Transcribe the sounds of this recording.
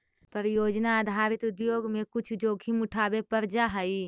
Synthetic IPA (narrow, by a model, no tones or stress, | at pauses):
pəɾjoːd͡ʒnaːd̪ʱaːɾɪt̪ʊd̪joːɡmẽkʊt͡ʃʰd͡ʒoːɡʱʰimʊʈʰaːbepəɾd͡ʒaɦəi